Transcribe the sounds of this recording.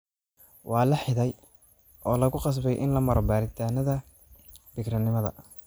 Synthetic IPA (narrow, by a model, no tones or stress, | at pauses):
wɑːlɐħɪðɛj | ʔɔːlɐɣʊqɑs̬bɛjʔɪ̰nlɐmɐɾɔbaːɾɪt̪ʰaːnɐðɐ | bɪkɾɐnɪmɐðɐ̰